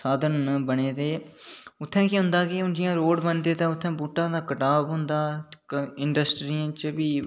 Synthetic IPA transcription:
saːd̪ənbəɳeːd̪eːʊt̪ʰːɛ̃ːkɪɦʊ̃nd̪aːkɪʊ̃nd͡ʒɪjãːɾoːɖbənd̪eːt̪ãːʊt̪ʰːɛ̃ːbuːʈːãːd̪aːkəʈaːbɦʊ̃nd̪aː | ɪɳɖəsʈɾiːãːt͡ʃbiː

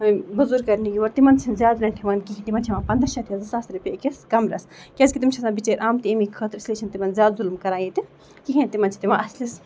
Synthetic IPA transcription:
bɐzuːɾkɐɾnijiʋɐɾt̪imɐnt͡sʰinzʲjaːd̪ɾɐnʈʰiʋɐnkiɦʲit̪imɐnt͡ʃʰimaːpɐnd̪ɐʃɐt̪iɐzɐsaːsɾupʲekiskɐmɾɐ̰skʲɐzkʲit̪imt͡ʃʰɐsãːbit͡ʃeːɾʔaːmt̪iemikʰəːt̪ɾisleːt͡ʃʰint̪imɐnzjaːd̪zulmkɐɾaːjit̪i | kiɦʲẽnt̪imɐnt͡ʃʰt̪imãːɐslis

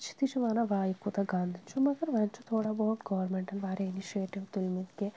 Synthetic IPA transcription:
t͡ʃʰi̥t̪iʃʰiʋaːnɐʋaːikːut̪aɡaːnd̪ʱit͡ʃʰumɐɡɐɾʋɐnt͡ʃut̪ʰoːɽaboːʈɡɐʋɐɾmeɳʈɐnʋaːɾeiniʃieːʈiʋt̪ulmit̪ke

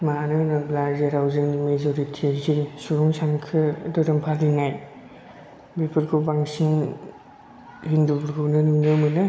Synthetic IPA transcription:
manɯnɯblazeɾawzɯnmezoɾitʰiazisuɾɔŋsaŋkʰɯdɔɾɯmpʰalinaj | bipʰɯɾɡʰɯbaŋsiŋ | hindubɯɾɡʰɯwnɯnɯnɯmɯlɯ

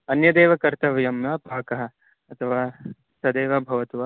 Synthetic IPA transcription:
ɐnjɐd̪eːʋɐkɐɾt̪ɐʋɐjɐmjɐpaːkɐɦɐ̆ | ɐt̪ʰɐʋaː | sɐd̪eːʋɐbʱɐʋɐt̪uʋɐ

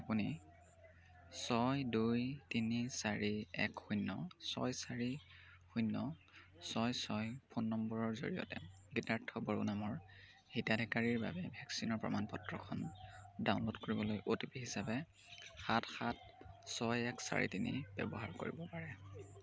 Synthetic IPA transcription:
apuni | sɔjdujtinisaɹiɛkxujnːɔ̰sɔ̰jsaɹi | xujnːɔ | sɔjsɔjpʰonːɔmbɔɹɔɹzo̰ɹijɔ̰tɛ̰ | ɡitaɹtʰɔbɔɹo̰namɔɹ | hitadʱɛkaɹiɹba̰bɛbʱɛksinɔɹpɹɔ̰manpɔtɹɔkʰɔndaʊ̃nlodkoɹibɔlojʔotipiɦisapɛ | xatʰxat̚ | sɔjɛksa̰ɹḭtinḭb̥ɛ̰bɔɦaɹko̰ɹḭbɔpaɹɛ

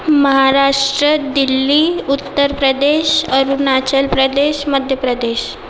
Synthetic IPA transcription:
məɦaɾaʂʈɾəd̪ilːiut̪ːəɾpɾəd̪eɕəɾunat͡ɕəlpɾəd̪eɕməd̪ʱjəpɾəd̪eɕ

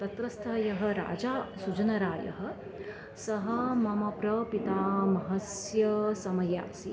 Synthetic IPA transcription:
t̪ɐt̪ɾɐst̪ʰɐjɐɦɐ̆ɾa̰ːd͡ʒaːsut͡ʃɐnɐɾaːjɐ̰ɦɐ̆ | sɐɦɐmɐmɐpɾɐpit̪aːmɐɦɐsjɐsɐmɐja̰ːsi

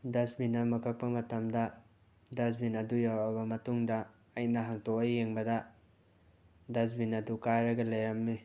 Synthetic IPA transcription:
dɐsbinɐmɐkʰɐk̚pɐmɐtɐmdɐ | dɐs̬binɐdujawɐbɐmɐtuŋdɐː | jnɐɦaŋtʰɔkɐjːeŋbɐdɐ | dɐs̬binɐdukajɾɐɡɐlɐjɾɐmːi

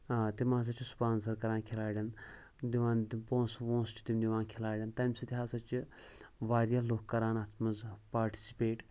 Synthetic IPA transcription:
t̪imãːs̬ɐt͡ʃʰisu̥paːnsɐɾkɐɾaːnkʲʰilaːɽʲɐn | d̪ʲiʋãːnd̪ipõːnsʋõːnst͡ʃʲi̥t̪imd̪ʲiʋãːnkʲʰilaːɽʲɐnt̪ɐmʲsɐt̪ʲiɦaːsɐt͡ʃi | ʋaːɾjaloːkkːɐɾaːnɐt̪ʰmɐzpaːɾʈi̥si̥peːʈ

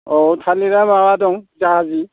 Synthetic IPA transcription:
ɔtʰaliɾamawadɔŋzaɦazi

